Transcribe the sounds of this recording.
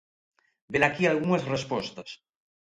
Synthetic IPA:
belakialɣuŋɐsrespɔst̪ɐs

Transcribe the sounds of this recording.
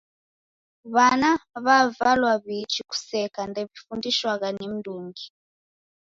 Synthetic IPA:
βanaβavalwaβit͡ʃiku̥sɛkandɛβifundiʃwakanim̩duːŋɡi

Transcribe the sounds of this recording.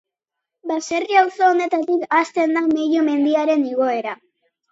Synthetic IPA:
base̞riawsoːne̞t̪at̪ikast̪e̞nd̪amejome̞nd̪iaɾe̞niɣo̞e̞ɾa

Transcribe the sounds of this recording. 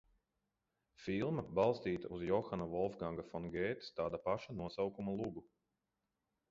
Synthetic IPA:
filˠmabalˠst̪iːt̪auzjɔxanavɔlˠfɡaŋɡafɔnɡɛːt̪i̥st̪aːd̪apaʃanuɔsawkumalˠuɡu

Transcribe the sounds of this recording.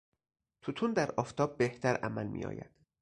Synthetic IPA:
t̪ʰut̪ʰund̪æɾɒːft̪ʰɒːb̚ːeht̪ʰæɾʔæ̰mælmʔḭjʔɒ̰ːjæ̰d̪̥

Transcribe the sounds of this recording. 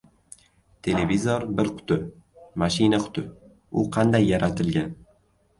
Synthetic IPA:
t̪ʰe̞levizoɾbɪɾqʰʊ̥t̪ɪ | maʃinaqʰʊ̥t̪ɪ | ʊqʰɑnd̪ajːaɾʔat̪ʰɪlɡʲan

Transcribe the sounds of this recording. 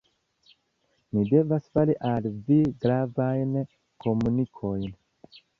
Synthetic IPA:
nide̞vasfaliʔalviɡɾavajn | kʰo̞munikʰo̞jn

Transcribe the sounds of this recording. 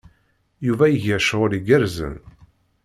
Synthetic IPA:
juvæjəʝæʃʁʊliɡəɾzə̰n

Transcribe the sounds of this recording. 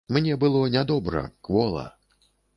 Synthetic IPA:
mnʲɛbɨlˠɔnʲad̪ɔbɾɐ̰kvɔlˠɐ̰

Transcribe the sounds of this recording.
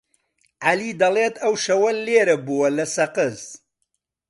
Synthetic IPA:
ʕaliːd̪ɐleːt̪ɐwʃɐwɐleːɾɐbuwɐlɐsɐqɨz

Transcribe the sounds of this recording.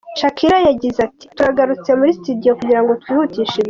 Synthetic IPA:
ʃakʰiɾajaɟizati̥tuɾaɡaɾut͡se̞muɾistudijo̞kuɟiɾaŋɡo̞twiːhutiːʃi

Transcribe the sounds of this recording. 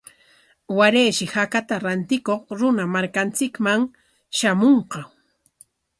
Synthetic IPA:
waɾeːʃɪhakat̪aɾant̪ɪkoχɾʊnamaɾkant͡sɪkmaŋ | ʃamoɴqɑ

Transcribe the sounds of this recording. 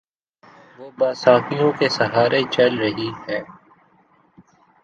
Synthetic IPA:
ʋoːbaːsaːkijõkesɐɦaːɾet͡ʃɐlɾɐɦiɦɛː

